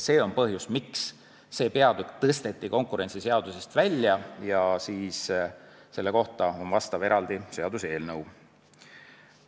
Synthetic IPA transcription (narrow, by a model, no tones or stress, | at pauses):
se̞ːo̞npɤɦjusmiksː | e̞ːpe̞ɑd̪ykt̪ɤst̪e̞t̪ˑːiko̞ŋkˑuɾe̞ntsiseɑd̪̥usest̪vælʲːjɑjɑsiːs | se̞lːe̞ko̞ht̪ɑo̞nvɑst̪ɑveɾʔɑld̪ise̞ɑd̪use̞ːlnɤw